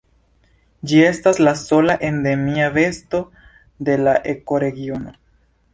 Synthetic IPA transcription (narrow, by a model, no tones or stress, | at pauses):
d͡ʒie̞staslaso̞laʔe̞nde̞miave̞sto̞ | de̞laʔeko̞ɾe̞ɡio̞no̞